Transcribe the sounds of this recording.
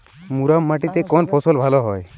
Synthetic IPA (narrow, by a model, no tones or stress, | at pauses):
muɾamːaʈit̪ekɔnpʰɔsɔlbʱalɔɦɔj